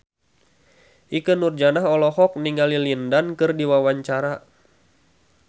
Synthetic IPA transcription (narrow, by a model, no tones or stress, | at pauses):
ʔikənurd͡ʒanaɦɔlɔhɔk̚niŋɡalilindankɨrdiwawaɲt͡ʃaɾa